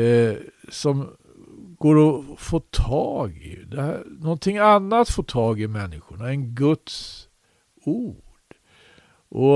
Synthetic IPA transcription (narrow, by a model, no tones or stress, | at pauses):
sɔm | ɡ̥oːɾɔfoːt̪ʰɑːɡɪ̰d̪ɛænɔnt̪ʰɪŋːanːat̪foːt̪ʰɑːɡɪmɛnːɪɧʊɳaɛnɡɵt̪s | uːɖ̥ | ʔɔ